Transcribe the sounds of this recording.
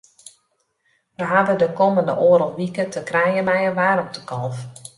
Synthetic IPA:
ʋəɦaʋədəkoməndə̰ʔoːəɾɔlʋikətəkrɛjəmɛjəʋaːɾɔp̚tʰəkʰɔlˠf

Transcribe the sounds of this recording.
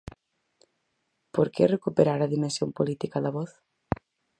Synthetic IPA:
poɾkerekupeɾaɾaðimẽnsjõmpolit̪ikaðɐβɔθ

